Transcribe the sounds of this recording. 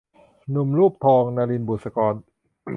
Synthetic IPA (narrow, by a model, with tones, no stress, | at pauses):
nu˨˩mɾuː˥˩p̚t̪ʰɔː˧ŋnaː˧li˧nbuː˨˩sa˧kɔː˧n